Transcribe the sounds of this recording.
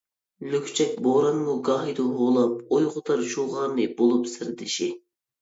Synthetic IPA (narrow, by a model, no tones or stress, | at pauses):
lykʲʰt͡ʃʰɛk̚ʲboɾɑnmuɡɑːɦid̪uɦolˠɑp̚ojʁʊt̪ɑɾʃuʁɑːnɨbolˠupsɨɾd̪ɪʃi